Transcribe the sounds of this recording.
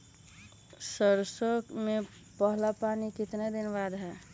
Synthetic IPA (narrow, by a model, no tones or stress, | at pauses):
səɾsəkme | pəɦlapanikɪt̪ned̪ɪnʋad̪ɦɛː